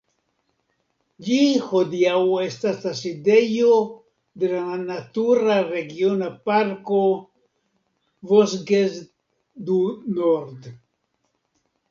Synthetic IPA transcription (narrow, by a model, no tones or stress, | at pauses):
d͡ʒihod̪iawest̪aslasid̪ejo | d̪elaanat̪uɾaɾeɡjonapaɾko | vosɡes | d̪unoɾd̪